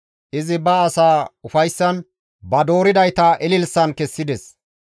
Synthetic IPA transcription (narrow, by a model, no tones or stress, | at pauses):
ʔɪzɪbɐːsaːʊfɐjsːɐn | bɐd̪o̞ːɾɪd̪ɐjt̪ɐʔɛlɪlsɐnkɛsːɪd̪ɛs